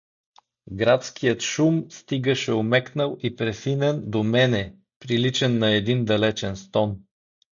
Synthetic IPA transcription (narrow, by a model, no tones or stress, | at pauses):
ɡɾat̪skijət̪ʃumst̪iɡəʃɛomɛknəlˠipɾɛfinɛnd̪omɛnɛ | pɾilit͡ʃɛnːɐɛd̪ind̪ɐlɛt͡ʃɛnst̪ɔn